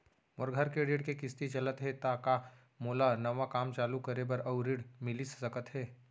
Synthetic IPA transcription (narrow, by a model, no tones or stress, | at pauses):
mʊɾɡʱəɾkeɾɪɽkekɪst̪it͡ʃɐlət̪ɦɛt̪aːka | moːlanɐʋakaːmt͡ʃaːlukɐɾebɐɾɐʊɾɪɽmɪlissɐkət̪ɦɛː